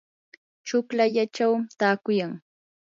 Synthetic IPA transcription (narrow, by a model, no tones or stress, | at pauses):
t͡ʃʊklaʎat͡ʃawt̪aːkʊjaŋ